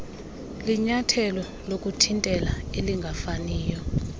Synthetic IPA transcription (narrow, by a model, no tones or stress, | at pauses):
liɲatʰɛlɔ | lokʼutʰintʼɛlaeliŋɡʱafaniːjɔ